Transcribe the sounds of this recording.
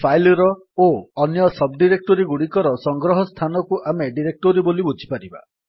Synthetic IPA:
pʰajlɔɾɔ | oːnjɔsɔb̚ɖiɾek̚ʈɔɾiɡuɽikɔɾɔsɔŋɡɾɔɦɔst̪ʰanɔkuʔameɖiɾek̚ʈoɾibolibud͡ʒʱi̥paɾiba̰

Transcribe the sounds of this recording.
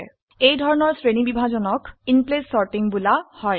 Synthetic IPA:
ejdʱɔɹɔnɔɹsɹenibibʱazɔnɔkinplesːɔɹʈiŋbulahɔj

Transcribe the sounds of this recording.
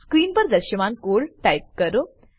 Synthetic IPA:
skɾiːnpəɾd̪əɾɕəmãnkoɭʈajk̚kəɾo

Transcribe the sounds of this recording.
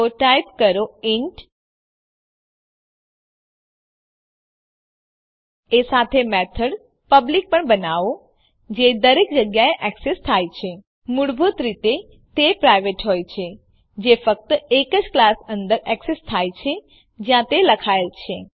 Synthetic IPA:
oʈajpkəɾoiɳʈ | esat̪ʰemɛt̪ʰəɽ | pəblik̚pəɳbənaʋo | d͡ʒed̪əɾekd͡ʒəɡjaeʔɛksest̪ʰajt͡ʃʰe | muɽbʱot̪ɾit̪e | t̪epɾajʋeʈɦojt͡ʃʰe | d͡ʒefək̚t̪əekəd͡ʒklasə̃nd̪əɾɛksest̪ʰajt͡ʃʰe | d͡ʒjãt̪eləkʰaelt͡ʃʰe

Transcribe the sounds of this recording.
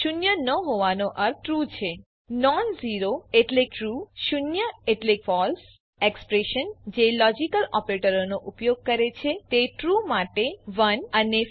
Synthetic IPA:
ʃunjənəɦoʋanoʔəɾɾut͡ʃʰe | nɔnziɾoeʈlekʈɾuʃunjəeʈlekfɔls | ekspɾeʃənd͡ʒelɔd͡ʒikəlɔpɾeʈəɾonoʔupjoɡ̚kəɾet͡ʃʰet̪eʈɾumaʈeʋənəne

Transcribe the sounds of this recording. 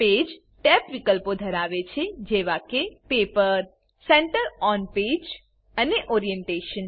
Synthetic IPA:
ped͡ʒ | ʈɛpʋikəlpod̪ʱəɾaʋet͡ʃʰed͡ʒeʋakepepəɾ | sɛɳʈəɾɔnped͡ʒ | əneʔɔɾieɳʈeʃən

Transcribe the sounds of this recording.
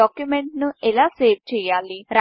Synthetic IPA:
aːkjumeɳʈnuɛlaːseːʋ̚t͡ʃɛːjaːliɾa

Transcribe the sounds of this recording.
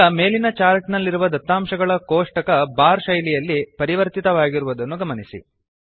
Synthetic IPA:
ɐme̞ːlinɐt͡ʃaːɾʈnɐlːiɾuʋɐd̪ɐt̪ːaːmʃɐɡɐɭɐkoːʂʈɐkɐbaːɾʃɐjlijɐlːipɐɾiʋɐɾt̪it̪ɐʋaːɡiɾuʋud̪ɐnːuɡɐmɐnisḭ

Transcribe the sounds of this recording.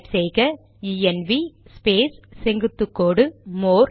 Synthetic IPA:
ʈsɛjɣɐ | iɛnʋispeːssɛŋɡɯt̪ːɯkːoːɽɯmoːɾ

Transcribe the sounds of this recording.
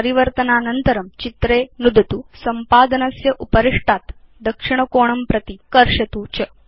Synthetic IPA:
ɾiʋɐɾt̪ɐnaːnɐnt̪ɐɾɐmt͡ʃit̪ɾeːnud̪ʱɐt̪usɐmpaːd̪ɐnɐsjɐʔupɐɾiʂʈaːt̪ | d̪ɐkʂiɳ̃ɐkoːɳɐmpɾɐt̪ikɐɾʂɐt̪uːt͡ʃɐ

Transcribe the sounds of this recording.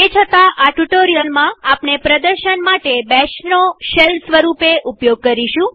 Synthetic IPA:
et͡ʃʰət̪aʔaʈuʈoɾijəlmãapnepɾəd̪əɾʃənmaʈebɛʃnoʃelsʋəɾupeʔupjoɡ̚kəɾiʃũ

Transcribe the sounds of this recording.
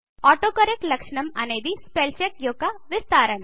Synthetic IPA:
ɔːʈoːkɐɾek̚ʈlɐkʂɳɐmɐneːd̪ispelt͡ʃek̚joːkaʋɪst̪aːɾəɳ

